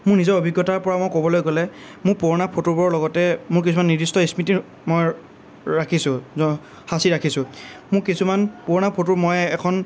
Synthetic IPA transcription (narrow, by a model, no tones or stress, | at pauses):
mʊɹnizɔɹobʱiɡːɔtaɹpɔɹamojkobɔlojkɔlɛ | mʊɹpoɹnapʰotubɔɹlɔɡɔtɛmʊɹk̬isumanːidistɔismiti | moj | ɹakʰisʊ̃ɔ | hasiɹakʰisʊ̃mʊkisumanpoɹnapʰotuɹmɔjɛkʰɔn